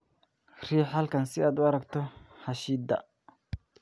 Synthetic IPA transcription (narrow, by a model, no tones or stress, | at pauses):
r̥iːħɐlkʰɐnsɪaːd̪ʊɐɾɐɡt̪ʰɔħɑʃiːd̪ɐ̰